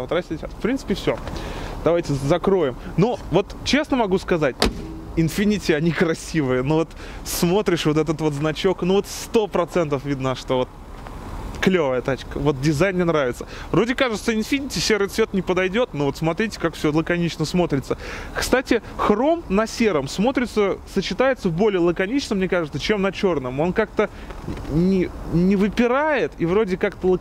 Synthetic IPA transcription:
vot̪ɾɐsʲtʲitʲt̪fpɾʲint̪ɨ̥pʲɪfsʲo̞d̪̥ɐvajtʲɪzɐkɾo̞jɪmnuvo̞t̪t͡ɕe̞snəmɐɡuskɐzatʲɪnfʲɪnʲitʲɪɐnʲikɾɐsʲivɨjənuvo̞t̪ | smo̞t̪ɾʲɪʂvo̞t̪ɛt̪ət̪vo̞t̪znɐt͡ɕo̞knuvo̞t̪st̪o̞pɾɐt̪sɛnt̪əfvʲid̪nəʂt̪ovo̞t̪̚ | klʲovəjət̪at͡ɕkəvo̞t̪̚dʲɪzajnʲɪnɾavʲɪt̪sə̥vɾo̞dʲɪkaʐɨt̪səɪnfʲinʲitʲɪsʲeɾɨt̪svʲet̪nʲɪpəd̪ɐjdʲo̞t̪novo̞t̪smɐt̪ɾʲitʲɪ̥kakfsʲolˠəkɐnʲit͡ɕnəsmo̞t̪ɾʲɪt̪səkst̪atʲɪxro̞mnɐsʲe̞ɾəmsmo̞t̪ɾʲɪt̪səsət͡ɕɪt̪ajɪt̪səvbo̞lʲɪjəlˠəkɐnʲit͡ɕnəmnʲekaʐɨt̪sət͡ɕe̞mnɐt͡ɕo̞rnəmo̞nkak̚t̪ə | nʲɪnʲɪvɨpʲɪɾajɪt̪ivɾo̞dʲɪkakt̪əlˠə

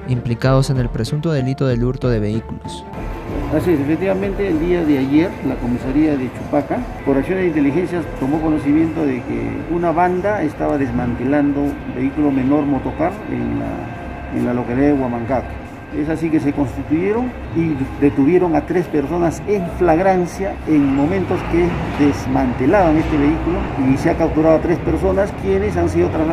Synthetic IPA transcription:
implikaðose̞nelpɾesunt̪oðe̞lit̪oðeluɾt̪oðe̞βeikulos | asies̬efek̚t̪iβamẽnt̪eːld̪iaðeaʝeɾlakomisaɾiaðet͡ʃupakapoɾaksjond̪eint̪elixe̞nsjat̪omokonosimje̞nt̪oðekḛunaβand̪aest̪aβaðezmant̪eland̪oubeikulome̞no̞ɾmot̪okaɾḛŋnla̰ | ḛnlalokeɾewamaŋkaka | es̬asikes̬ekonst̪it̪ujeɾoŋ | id̪et̪uβjeɾoŋat̪ɾespeɾsonaseɱflaɣɾansjaeŋmomẽnt̪oskeðezmant̪elaβaŋest̪eβeikuloiseakaw̚t̪uɾaðoat̪ɾespeɾsonaskjenes̬ans̬iðot̪ɾa

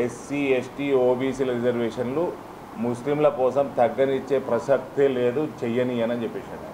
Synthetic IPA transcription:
esiːesʈiːoːbiːsiːlɾid͡ʒɐɾʋeːʂɐnlu | muslimlɐkɔːsɐmt̪ɐɡːɐnit͡ʃːe̞ːpɾɐsɐk̚t̪ileːd̪ut͡ʃɛjɐniɐnɐnt͡ʃepːit͡ʃːɐɽi

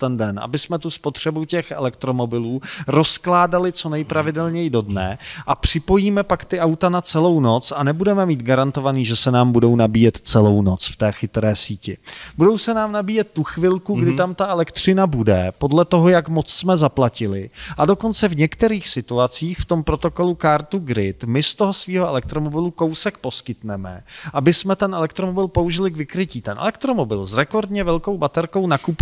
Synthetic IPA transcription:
t̪ɛndɛnʔa̰bɪsmɛt̪uspot̪r̝̥ɛbucɛxʔɛ̰lɛkt̪ɾo̞mo̞bɪluːɾo̞sklaːdalɪt͡so̞nɛjpɾavɪdɛlɲɛjɪdo̞dnɛ̰ʔapr̝̥ɪpo̞jiːmɛpakt̪ɪʔawt̪anat͡sɛlo̞wno̞t͡sanɛbudɛmɛmiːt̪ɡaɾant̪o̞vaniːʒɛsɛnaːmbudo̞wnabiːjɛt̪t͡sɛlo̞wno̞t͡sft̪ɛːxɪt̪ɾɛːsiːcɪbudo̞wsɛnaːmnabiːjɛt̪̚ːuxvɪlkuɡdɪt̪amt̪aʔɛlɛkt̪r̝̥ɪnabudɛpo̞dlɛt̪o̞ɦo̞jakmo̞t͡ssmɛzaplacɪlɪʔado̞ko̞nt͡sɛvɲɛkt̪ɛɾiːxsɪt̪uat͡siːxft̪o̞mpɾo̞t̪o̞ko̞lukaɾt̪uɡɾɪt̪mɪst̪oɦo̞sviːɦoʔɛlɛk̚t̪ɾo̞mo̞bɪluko̞wsɛk̚po̞skɪt̪nɛmɛ̰ʔabɪsmɛt̪ɛnʔɛlɛkt̪ɾo̞mobɪlpo̞uʒɪlɪɡvɪkɾɪciːt̪ɛnʔɛ̰lɛk̚t̪ɾo̞mo̞bɪlzɾɛko̞ɾdɲɛvɛlko̞wbat̪ɛɾko̞wnakup

